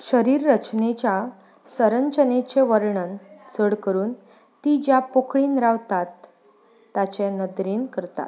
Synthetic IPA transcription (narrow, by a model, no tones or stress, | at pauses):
ɕəɾiːɾːət͡ɕnet͡ɕja | səɾəɲt͡ɕənet͡ɕeʋəɾɳənt͡səɽkəɾuːn | t̪id͡ʑjapokɭiːnɾaʋt̪at̪ː | at͡ɕenəd̪ɾeːnkəɾt̪a̰t̪